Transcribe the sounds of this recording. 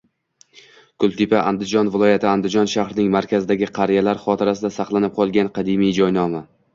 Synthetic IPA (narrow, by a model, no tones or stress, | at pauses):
kʰʊlˠt̪ʰɪpaʔand̪ɪd͡ʒɒnvɪlˠɒjat̪ʰɪand̪ɪd͡ʒɒnʃahɾɪnɪŋmaɾkʲʰazɪd̪aɡʲɪqʰɑɾijalaɾχɒt̪ʰɪɾasɪd̪asɑqlˠanɪp̚qʰɒlˠɡʲanqʰɑd̪ɪmijd͡ʒɒjnɒma